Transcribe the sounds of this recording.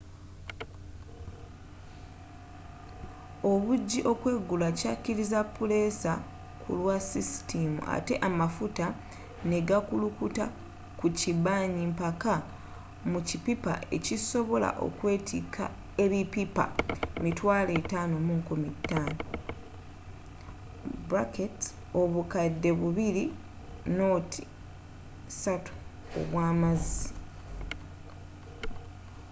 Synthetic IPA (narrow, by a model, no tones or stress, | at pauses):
o̞βuɟːiʔo̞kwe̞ɡːulacacːiɾizapːule̞sa | kʰṵlwasisi̥tʰimṵʔa̰te̞ʔamafuta | ne̞ɡakulukuta̰ | kucibaːɲimpaka | mucipipa̰ʔe̞ciso̞βo̞la̰ʔo̞̰kwe̞ːtʰikʰa̰ | eβipipa̰mitwaːle̞ːtaːno̞muŋkumitːaːno | bɾaket | o̞βukadːe̞βuβiɾi | no̞ːtʰi | satu̥ | o̰βwaːmazi